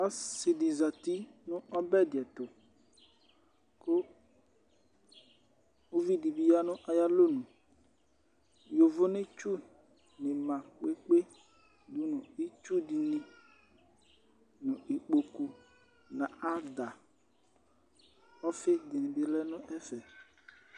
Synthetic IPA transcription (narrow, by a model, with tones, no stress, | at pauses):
ɔ˦sɪ˨di˨za˨t̪i˦nʊ̃˦ɔ˦bɛ˦dɪ˨ɛ˨t̪ʊ˨ | kʊ˦ | o˦vi˦di˨bi˦a˦nʊ̃˦ʔa˨ja˦lo˦nũ˨ | jo˨vʊ˦nɪ̃˦t͡ʃu˦ | nɪ˨mã˨k͡pe˦k͡pe˦ | d̪u˦nʊ̃˨i˦t͡ʃu˦di˨nĩ˦ | nʊ̃˨ʔi˨k͡po˨ku˨ | nã˨a˦d̪a˨ | ɔ˦fɪ˦d̪ɪ˨nɪ̃˨bɪ˨lɛ˦nʊ̃˦ʔɛ˦fɛ˨